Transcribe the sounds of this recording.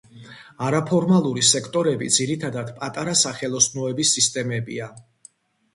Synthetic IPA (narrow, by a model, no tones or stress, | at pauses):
aɾapʰɔɾmalˠuɾisɛkʰt̪ʼɔɾɛbḭd̪ziɾit̪ʰad̪ad̪pʼat̪ʼaɾasaχɛlˠɔsnɔɛbisːist̪ʼɛmɛbḭa